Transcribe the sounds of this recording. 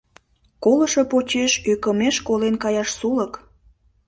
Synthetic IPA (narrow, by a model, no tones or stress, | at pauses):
kolə̆ʃopot͡ɕeʃøkəmeʃkolenkɑjɑʃsulək